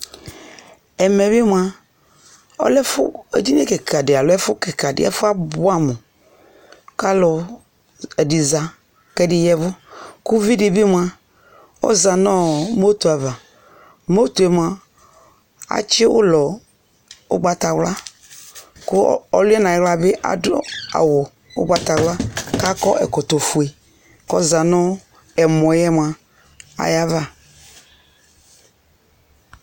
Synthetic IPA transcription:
ɛ˨mɛ˨βi˦m˨˦a˨ | ɔ̰˦lɛ˦fʊ̰˦ḛ˦d͡ʒi˦n˦ḛ˦kɛ˨ka˨dɪ˨a˨lɔ˨˦ɛ˦fʊ˦kɛ˨ka˨dɪ̰˨ɛ̰˦fʊ˦a˦bʊ˦a˦mu˨ | ka˦lɔ˨ | ɛ˨di˨za˨ | kɛ˦dɪ˦jɛ˦vʊ˦kʊ˦vi˦di˨bi˦m˦˨a˨ | ɔ̰˦za˨nɔ˦mo˦t̪u˨a˨va˨ | mo˦t̪u˨ɛ˨˦m˨a˨ | a̰˨t͡ʃɪ˦ʊ̰˦lɔ˨ | ʊ̰˦ɡ͡ba˨ta˨wla˦ | kʊ˦ɔ˦lʊ˦ɛ˦na˨˦ɣla˨bɪ˦ʔa̰˨dʊ˦a̰˨wɔ˨ | ʊ̰˦ɡ͡ba˦ta˨wla˦ka˦kɔ˦ʔɛ̰˨kɔ˨to˨fu˨e˨ | kɔ˦za˨nɔ˦ | ɛ˨mɔ˨jɛ˦mʷ˨a˨ | a̰˨ja˦va˦˨

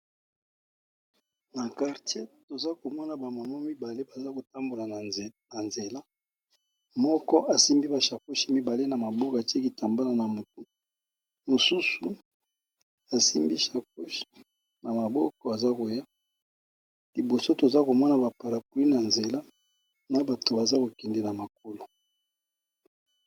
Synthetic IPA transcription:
na˨ka˨ʁte˦to˨za˦ko˨mɔ˦na˨ba˨ma˨mɔ˦mi˦ba˨le˦ba˨za˦ko˨ta˦mbo˨la˨na˨nze˨la˦ | mɔ˦kɔ˦a˨si˦mbi˦ba˨ʃa˨ku˦ʃi˦mi˦ba˨le˦na˨ma˨bɔ˦ka˨te˦ki˨ta˨mba˦la˨na˨mo˨tu˨ | mo˨su˦su˨ | a˨si˦mbḭ˦ʃa˨ku˦ʃi̥˦ | na˨ma˨bɔ˦kɔ˨a˨za˦ko˨ja˦ | li˨bo˨so˦to˨za˦ko˨mɔ˦na˨ba˨pa˨ɾa˨p̚u˨li˦na˨nze˨la˦ | na˨ba˨to˨ba˨za˦ko˨kɛ˨ndɛ˨la˨ma˨k̚o˦lo˨

